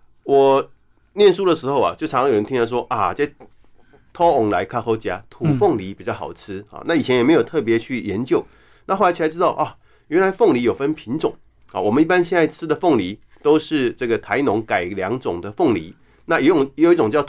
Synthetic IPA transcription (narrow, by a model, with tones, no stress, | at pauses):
wɔ˨˩ | njɛ˥˨nʂu˥lə˨ʂɻ̩˧˥xo˥˧ʊɐ̰˨˩t͡ɕjo˥˩ʊʈ͡ʂʰə˧˦nt̪ʰi˥ɑ˥˧˩ʂwɔ˥ʔa˨˩t͡sa˥˩ɪ | t̪ʰɔ˥ʊ˨˩ŋla˧˥ɪkʰa˥˩xo˥ʊt͡ɕja˥t̪ʰu˨˩fʊ˥˩ŋli˧˥pi˨˩t͡ɕjɑ˥˩ʊxɑ̰˨˩ʊt͡s̩ʰ˥xa̰˨na˥˩i˨˩t͡ɕʰjɛ˦njɛ˨˩me˧˥ɪjo˨˩ʊt̪ʰɤ˥˩p̬jɛ˧˥t͡ɕʰy˥˩jɛ˧˦˥nt͡ɕjo˥˩ʊ | na˥˧xo˥˩a˧˥t͡ɕʰi˧˩a˧˥ʈ͡ʂɻ̩˥t̪ɑ˥˩ʊʔa˥˩ | ɥɛ˧˥nla˧˥ɪfʊ˥˩ŋli˧˥jo˨˩ʊfə˦npʰi˧˥nʈ͡ʂʊ˨˩ŋ | ha̰˨wɔ˨˩mə˦ni˥˩pa˥nɕjɛ˥˧na˥˧ɪt͡s̩ʰ˥d̪ə˨fʊ˥˩ŋli˧˥ | t̪o˥ʊʂɻ̩˥˧ʈ͡ʂɤ˥˩ɡə˩t̪ʰa˧˥ɪnʊ˧˥ŋka˨˩ɪljɑ˧˥ŋʈ͡ʂʊ˨˩ŋd̪ə˦fʊ˥˩ŋlḭ˧˥˦ | na˥˩jjjo˨˩i˥˩ʈ͡ʂʊ˨ŋt͡ɕjɑ˥˩ʊ